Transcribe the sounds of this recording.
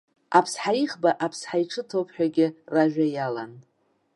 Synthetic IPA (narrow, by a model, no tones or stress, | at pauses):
apʰsħaiχbaʔapʰsħajʈ͡ʂʰɨtʰowpʰħᶣaɡʲɪraʒᶣajala̰n